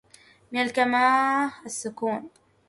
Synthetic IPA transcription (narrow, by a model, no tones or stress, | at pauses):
mɪnalkamaːasːʊkuːn